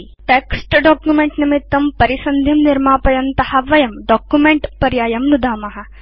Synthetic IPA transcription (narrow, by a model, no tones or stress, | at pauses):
ʈeːksʈɖɔːkjumeɳʈnimit̪ːɐmpɐɾisɐnd̪ʱimniɾmaːpɐjɐnt̪ɐhɐʋɐjɐmɖɔːkjumẽɳʈpɐɾjaːjɐmnud̪ʱaːmɐɦɐ̆